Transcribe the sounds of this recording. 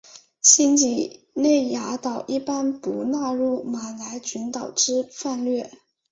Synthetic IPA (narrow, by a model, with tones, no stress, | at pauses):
ɕi˥nt͡ɕi˨˥˩ | ne˥˩ɪja˧˥t̪ɑ˨˩ʊʔi˥˩pa˥npu˧˥na˥˧ɻu˥˩ma˨˩la˧˥ɪt͡ɕy˧˥nt̪ɑ˨˩ʊʈ͡ʂɻ̩˥fa˥˧nlɥɛ˥˩